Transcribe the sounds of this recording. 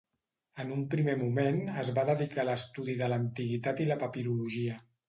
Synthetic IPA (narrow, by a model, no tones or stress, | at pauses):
ənumpɾimemumenəzβaðəðikaləst̪uðiðələnt̪iɣit̪at̪iləpəpiðuluʒiə